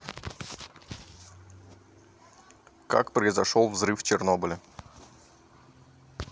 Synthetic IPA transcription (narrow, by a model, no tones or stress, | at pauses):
ka̰kpɾəɪzɐʂolˠvzɾɨft͡ɕɪrnobɨlʲə